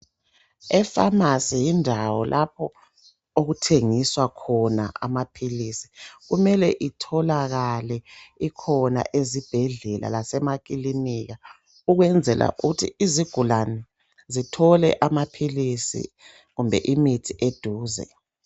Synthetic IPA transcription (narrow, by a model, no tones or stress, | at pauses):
ɛfamasɛjindʱawɔlʔapʰɔ | oɣutʰeŋiswakʰɔna̰ʔa̰mapʰilisi̥ɣumɛlɛʔitʰɔlaɣalɛikʰɔna̰ʔezib̥ʱɛɮɛla̰lasɛmakiliniɣa | uɣwɛnd͡zʱɛlʔa̰ʔuɣutʰiiziɡ̥ʱulanɛ | zitʰɔlɛ̰ʔamapʰilisḭ | ɣumbʱɛ̰ʔimitʰiʔed̥ʱuːzɛ̰